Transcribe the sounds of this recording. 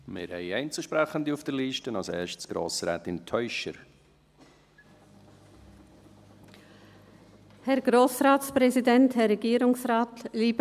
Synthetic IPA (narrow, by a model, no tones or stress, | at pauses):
mɪ̰ːɾhɛ̰ɪɛɪnt͡suʃpɾɛχənd̪iufd̥əɾliːʃtənɑlsɛːɾʃtsɡ̥ɾo̰ːsɾɛ̰ːtɪntʰœʏʃə̰ɾ | hɛɾɡ̥ɾoːsʁaːtspʁɛzidɛnthɛʁːɛɡiːɾʊŋsʁaːtliːb